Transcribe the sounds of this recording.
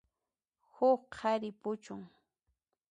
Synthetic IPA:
hʊχqʰaɾɪpʊt͡ʃʊŋ

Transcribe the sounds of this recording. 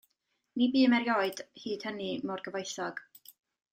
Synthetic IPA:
nibiːmɛɾjɔɨd̥hiːd̥hənimɔrɡəvojθɔɡ̥

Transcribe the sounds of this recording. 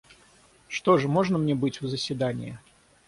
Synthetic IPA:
ʂt̪oʐɨmɔʐnəmnʲɛbɨt͡sʲuzəsʲvʲɪd̪anʲɪ̰jə̰

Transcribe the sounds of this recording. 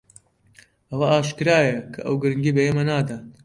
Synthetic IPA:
ʔɐwɐaːʃkɨɾaːjɐkʰɐ̰ʔɐ̰wɡɨɾɨŋɡiːbɐjeːmɐnaːd̪aː

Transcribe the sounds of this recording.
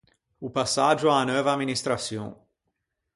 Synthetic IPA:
upasaʒuaanœvad̪minist̪ɾasjõ

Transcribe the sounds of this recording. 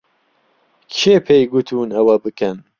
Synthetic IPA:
kʰeːpʰejɡut̪ʰuːnɐwɐbɨkʰɐn

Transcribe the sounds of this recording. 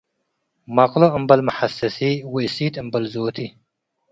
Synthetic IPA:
maqloəmbɐlmɐħasɐsiwesiːt̪əmbɐlzoːt̪ʰi

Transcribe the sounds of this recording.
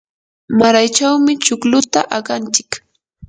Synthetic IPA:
maɾajt͡ʃawmɪt͡ʃʊklʊt̪aʔaɢant͡ʃɪ̥k

